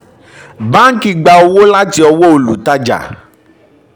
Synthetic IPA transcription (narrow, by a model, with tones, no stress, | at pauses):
bã˦ŋ̩˦ki˨˧ɡ͡ba˧o˧wo˦la˦ti˧ɔ˧wo˦o˨lṵ˨ta˧d͡ʒa̰˨